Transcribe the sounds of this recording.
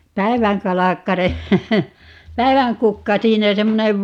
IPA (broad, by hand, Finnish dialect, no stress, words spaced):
pæi̯ʋæŋkɑlɑkːɑre pæi̯ʋæŋkukːɑ siːnæ semːoneʋ